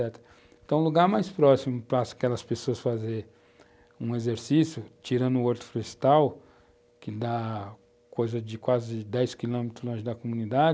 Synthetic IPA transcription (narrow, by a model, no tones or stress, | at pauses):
ɛt̪ɾɐ | ẽt̪ɐ̃w̃luɡaɾmajspɾɔsimʊpɾɐskɛlɐspesoɐsfazeɾ | ũezeɾsisjʊt͡ʃiɾɐ̃nd̪ʊoɾt̪ɾʊ̥fɾest̪aw | kɪd̪a | kojzɐd͡ʒɪkwazɪd̪ɛjskilõmet̪ɾʊzlõʒɪd̪ɐkomũnid̪ad͡ʒ